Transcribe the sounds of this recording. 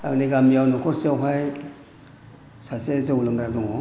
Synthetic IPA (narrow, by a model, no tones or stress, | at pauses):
a̰ɡniɡamjawnɔkʰɔɾsewɦaj | sasezaulɯŋɡɾak̚dɔŋɔ